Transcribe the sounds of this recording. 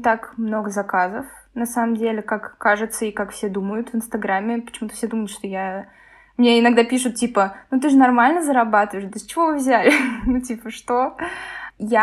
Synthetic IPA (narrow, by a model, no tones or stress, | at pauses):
t̪akmno̞ɡəzɐkazəf | nɐsaməmdʲelʲɪkakːaʐɨt̪səɪkakfsʲed̪uməjʊt̪vɨnst̪ɐɡɾamʲːɪpə̥t͡ɕɪmut̪ə̥fsʲed̪uməjʊt̪ʂt̪o̞ja | mʲnʲeɪnɐɡd̪apʲiʂʊt̪̚tʲipənut̪̬ɨʐɨnɐrmalʲnəzəɾɐbat̪ɨvəjɪʂd̪əsʲt͡ɕɪvo̞vɨvzʲælʲɪnutʲipəʂt̪o̞ | ja